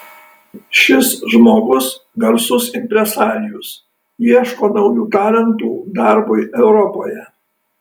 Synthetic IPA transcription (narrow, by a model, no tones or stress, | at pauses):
ʃʲɪsʒmoːɡʊsɡʲɐɾsʊsɪmʲpʲɾʲɛsɑːɾʲɪjʊs | jiɛʃkoːnɐʊjuːt̪ɑːlʲɛnt̪uːd̪ɑɾbʊɪʔɛʊɾɔpoːjɛ